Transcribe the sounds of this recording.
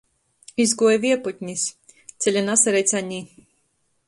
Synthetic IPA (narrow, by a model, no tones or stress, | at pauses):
izɡuɔjviɛput̪̚ʲɲʲis | t̪sʲɛlʲanasɛɾɛjt̪saɲʲiː